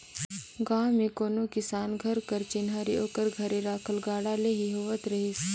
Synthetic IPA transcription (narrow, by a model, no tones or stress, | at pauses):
ɡãːmẽkoːnokɪsaːnɡʱɐɾkɐɾt͡ʃɪnɦaɾiʔoːkəɾɡʱɐɾeɾaːkʰəlɡaːɽaleɦiɦoːʋət̪ɾɐɦɪs